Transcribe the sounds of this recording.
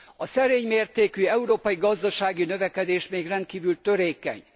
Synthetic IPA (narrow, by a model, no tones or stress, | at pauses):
ɒsɛɾeːɲmeːrt̪eːkyɛuɾoːpɒjiɡɒzd̪ɒʃaːɡinøvɛkɛd̪eːʃmeːɡrɛnt̪̚kiːvylt̪ø̞ɾeːkɛ̰ɲ